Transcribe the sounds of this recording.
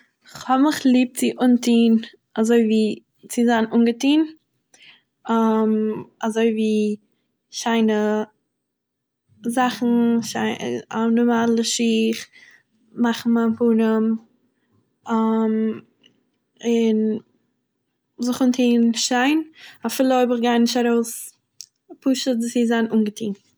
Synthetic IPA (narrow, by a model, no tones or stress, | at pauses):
ɪχhɔbmɪχlˠiːp̚t͡sɪʔʊntiːn | azoɪviː | t͡sɪzanʊnɡətiːn | amazoɪviː | ʃaɪnə | zaχn̩ʃaɪanɔmalˠəʃiːχ | maχn̩maɪnpunəm | am | ɪn | zʊχʊntʰiːnʃaɪnafɪlˠəɔɪbɪχɡaɪnɪʃaɾoʊs | pʰuːʃədsɪzanʔuːnɡətʰiːn